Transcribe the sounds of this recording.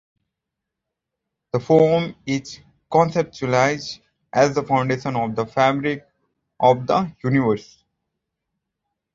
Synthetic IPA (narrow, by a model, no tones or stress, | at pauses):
d̪̥əfɔːɾmɪz | kɔ̃ːnsep̚ʈt͡ʃulaɪz | ʔɛzd̪əfãʊ̃ɳɖeːʃə̃nɔʋd̪əfæbɾɪk̚ | ʔɔʋd̪əjuːnɪʋəɾs